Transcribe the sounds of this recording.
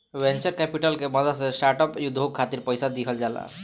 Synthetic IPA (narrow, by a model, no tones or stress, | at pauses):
went͡ʃəɾkɛpiʈəlkeməd̪ʱəsesʈaɾʈɔpjud̪ʱokʰːat̪iɾpəjsad̪ikʰəld͡ʒala̰